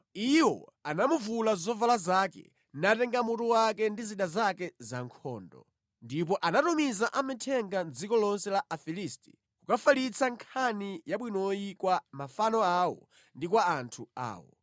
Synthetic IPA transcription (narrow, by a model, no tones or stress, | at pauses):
iwɔ̰anamuvulazɔvalazaːkɛ̰ | natɛŋɡamutuwakɛndiziɗazakɛzaŋkʰɔ̰ːndɔ̰ | ndip̬ɔʔanatumizaʔamɛtʰɛŋɡand͡zikɔlɔnsɛlaʔafilisti̥̰ | kukafalit͡sʰaŋkʰanijaɓwinɔjikwamafanɔawɔ̰ | ndik̬waːntʰua̰ːwɔ̰